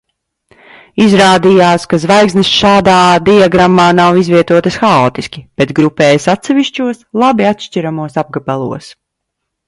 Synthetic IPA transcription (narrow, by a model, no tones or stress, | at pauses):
izɾaːd̪ijaːskazvajkznɨsʃaːd̪aːd̪iaɡɾamːaːnawizviɛt̪uɔt̪ɐsxaɔːt̪iskʲib̥ɛt̪ɡɾupɛːjsat̪sɛviʃt͡ʃuɔslˠabiat̪ʃt͡ʃiɾamuɔsab̚ɡabalˠṵɔs